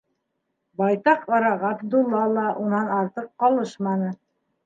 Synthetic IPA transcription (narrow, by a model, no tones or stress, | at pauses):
bɑjt̪ɑqɑɾɑʁɑb̪̚d̪ulˠːɑlˠɑʔunɑnɑɾt̪ɤqːɑlˠɤʃmɑnɤ